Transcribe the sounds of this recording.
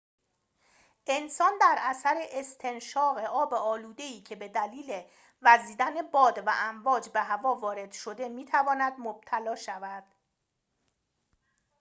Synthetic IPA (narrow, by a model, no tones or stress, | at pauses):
ʔe̞nsɒːnd̪æɾʔæsæɾe̞ʔest̪ʰe̞nʃɒːɣe̞ʔɒːbe̞ɒːluːd̪e̞iːcʰe̞be̞d̪æliːle | væziːd̪æne̞bɒːd̪væ̰ʔæmvɒːd͡ʒbe̞ɦævɒːvɒːɾe̞d̪̥ʃo̞d̪e̞miːt̪ʰævɒːnæd̪mob̥̚t̪ʰælɒːʃævæd̪̥